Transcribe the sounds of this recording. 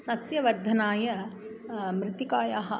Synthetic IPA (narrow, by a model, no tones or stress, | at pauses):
sɐsjɐʋɐɾd̪ʱɐnaːjɐ | mɾɪt̪ikaːjaːɦɐ̆